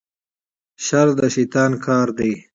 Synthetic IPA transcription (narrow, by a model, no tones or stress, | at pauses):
ʃaɾd̪əʃit̪ɑːnkʰɑːɾd̪e